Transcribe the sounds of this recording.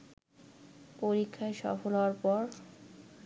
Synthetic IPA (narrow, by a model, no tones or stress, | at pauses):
poɾikʰːaeʃɔ̰folaaɾpɔɾ